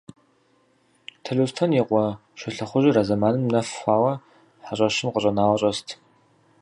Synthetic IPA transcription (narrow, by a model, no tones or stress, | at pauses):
tʰɐɮustʰɐnjɛqʷʼɔʃɪɬɐχʷʊʒirazɐmaːnɨmnɐfʷaːwɐ | ħaɕʼɐʃɪmqəɕʼɐnaːwɐɕʼɐstʰ